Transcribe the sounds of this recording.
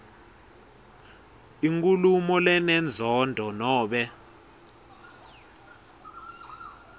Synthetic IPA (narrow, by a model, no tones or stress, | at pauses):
iŋkʼulumɔlɛnɛnd͡zʱɔndʱɔnɔːɓɛ